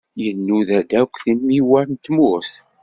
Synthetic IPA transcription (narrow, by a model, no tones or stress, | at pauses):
jənːuðæd̪ækʷːθinmiwæɾnt̪mʊɾθ